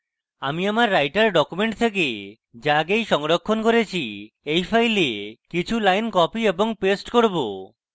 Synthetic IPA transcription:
amiamaɾːajʈaɾɖɔkumeɳʈt̪ʰek̬e | d͡ʒaɡejʃɔŋɾɔkʰːonkɔɾet͡ʃʰi | ejpʰajlekit͡ʃʰulajnkɔpiebɔŋpesʈkoɽbo̰

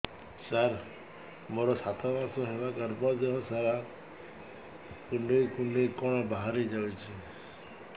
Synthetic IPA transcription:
saɾ | moɾɔsat̪ʰabasɔɦebakaɾpɔd̪eɦɔ̃saɾa | kuɳɖejkuɳɖejkɔɽ̃ɔbaɦaɾid͡ʒawt͡ʃʰi

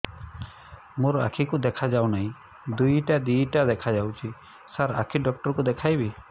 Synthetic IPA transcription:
muɾa̰kʰikud̪ɛkʰad͡ʒawnaĩ | d̪ujʈad̪iʈad̪ɛkʰad͡ʒawt͡ʃi | saɾa̰kʰiɖɔk̚ʈɔɾkud̪ɛkʰajbi

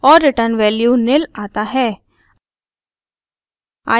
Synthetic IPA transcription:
ɔːɾːɪʈəɾnʋɛːljunɪlaːt̪aɦɛː | a̰ː

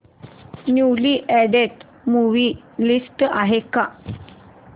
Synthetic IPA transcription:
njuliʔɛɖeʈ | muʋi | lisʈaɦeka

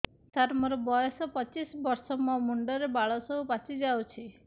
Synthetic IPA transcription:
saɾmɔɾɔbɔjɔsɔpɔt͡ʃisbɔɾsɔmɔ̃muɳɖɔɾebaɭɔsɔɦupat͡ʃid͡ʒawt͡ʃʰi

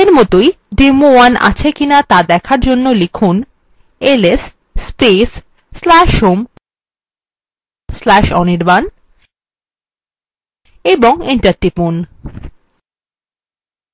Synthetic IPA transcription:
eɾmɔt̪oj | ɖemowanʔa̰t͡ɕʰekinat̪ad̪ɛkʰaɾd͡ʑonːolikʰun | eles | spesː | lɛʃum | slɛʃɔ̰niɾban | eboŋiɳʈaɾʈipun

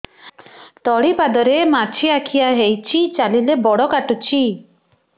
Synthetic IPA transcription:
t̪ɔɽipad̪ɔɾemat͡ʃʰiakʰijaɦejt͡ʃʰit͡ʃalilebɔɽɔkaʈut͡ʃʰi

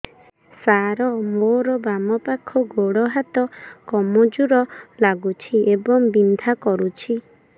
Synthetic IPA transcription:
saɾɔmoɾɔbamɔpakʰɔɡoɽɔɦat̪ɔkɔmɔd͡ʒuɾɔlaɡut͡ʃʰiʔebɔŋbind̪ʱakɔɾut͡ʃʰi

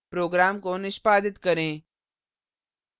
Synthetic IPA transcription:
pɾoːɡɾaːmkonɪʃpaːd̪ɪt̪kəɾẽː

